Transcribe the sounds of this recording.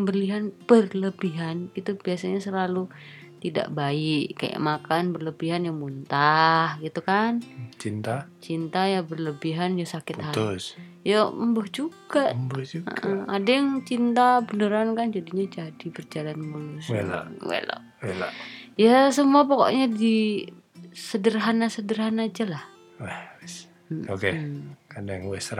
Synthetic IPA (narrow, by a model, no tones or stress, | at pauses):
bəliɦanpərləbiɦanɡit̪ub̥iasaɲasəlalu | t̪ida̰ʔbaɪʔka̰ja̰ʔmakanbərləbiɦanjaŋmunt̪ahɡit̪ukant͡ʃint̪at͡ʃint̪ajabərləbiɦanjasakɪt̪has | jaəmbəhd͡ʒuɡ̥abd͡ʒuə̰ɡʔəadajaŋt͡ʃint̪abənəɾankand͡ʒadiɲad͡ʒadibərd͡ʒalanmuluswela̰wḛla̰ʔwela̰ʔjasəmuapoko̰ʔɲadi | sədərɦanasədərɦanad͡ʒalah | wɛhwɛs | okeadajaŋwɛsɾa